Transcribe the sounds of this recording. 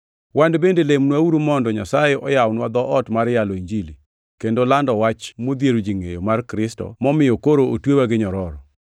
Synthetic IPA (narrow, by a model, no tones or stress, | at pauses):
wandbendelemnwauɾomɔndɔɲasajeʔɔjawnwad̪ɔʔɔtmaɾjaloiɲd͡ʒili | kendolandɔwat͡ʃmod̪jeɾod͡ʒiŋḛjomarkɾɪstɔ̰mɔmɪjɔkoɾootwewaɡɪɲɔɾɔɾɔ